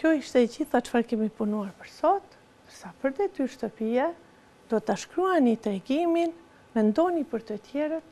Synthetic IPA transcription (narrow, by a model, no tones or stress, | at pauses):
kjɔiʃt̪ɛd͡ʑiθat͡ʃfaɾkɛmipunuaɾpəɾsɔt̪ | nd̪əɾsapəɾd̪ɛt̪yɾʃt̪əpiɛ | d̪̥ɔt̪aʃkɾuɛnit̪ɾɛɡimin | mɛnd̪ɔnipəɾt̪ət̪jɛɾət̪̚